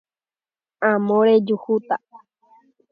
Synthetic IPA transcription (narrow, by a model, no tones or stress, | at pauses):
ãmõɾed͡ʒuhut̪a